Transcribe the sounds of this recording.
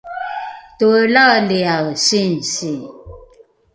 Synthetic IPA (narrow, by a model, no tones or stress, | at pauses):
tuəlaliasinsi